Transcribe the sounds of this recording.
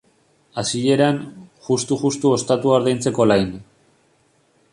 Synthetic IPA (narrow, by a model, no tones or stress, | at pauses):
asie̞ɾanʝust̪uʝust̪uo̞st̪at̪uaɾðejnt͡se̞ko̞lajn